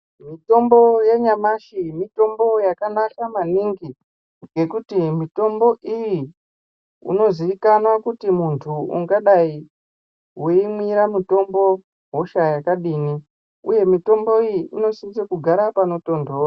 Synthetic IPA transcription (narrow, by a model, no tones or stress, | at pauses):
mito̞mbo̞jeɲamaʃimito̞mbo̞jakanakamaniŋɡi | ŋɡe̞kutimito̞mbo̞ʔiji | ṵno̞ziʋikanwakutimuntʰuṵŋɡaɗai | weimwiɾamuto̞mbo̞ | ɦo̞ʃajakaɗini | uje̞mito̞mbo̞ijiʔino̞sint͡sakuɡʱaɾapano̞to̞ndoːra